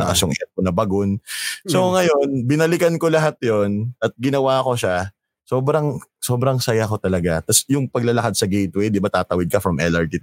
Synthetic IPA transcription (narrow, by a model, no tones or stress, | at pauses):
ɐ̰ʔa̰sjʊŋɛkonɐbɐɡonsoŋɐjo̞nbɪnɐlɪkɐnko̞lɐɦat̪̚jonɐt̪̚ɡɪnɐwaːko̞ʃa | so̞ːbɾɐŋso̞ːbɾɐŋsɐjako̞t̪ɐlɐɡat̪ɐsjʊŋpɐɡ̚lɐlɐkad̪sɐɡɛjt̪wɛjd̪ɪbat̪aːt̪ɐwɪd̪̚kɐfɾɐmʔɛlɐɹt̪i